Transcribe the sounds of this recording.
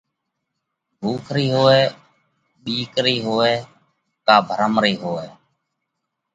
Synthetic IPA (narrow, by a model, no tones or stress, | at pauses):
bʱuːkʰɾiːɦoːɛː | ɓiːkɾiːɦoːɛː | kaːbʱəɾəmɾiːɦoːɛː